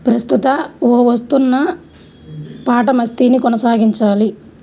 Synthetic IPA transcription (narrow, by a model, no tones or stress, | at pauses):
pɾɐst̪ut̪ɐoːʋɐst̪unːɐ | paːʈɐmɐst̪iːnikɔnɐsaːɡiɲt͡ʃaːli